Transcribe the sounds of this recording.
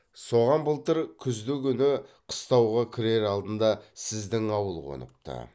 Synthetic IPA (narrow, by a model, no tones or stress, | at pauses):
so̞ʁɑnbəlˠt̪əɾkʲʰʏzd̪ɪkʲʰʏnɪqʰə̥st̪ɑwʁɑkʲʰɪɾe̞ɾɑlˠd̪ənd̪ɑsɪzd̪ɪŋɑwəlˠqʰo̰nə̰p̚t̪ə̰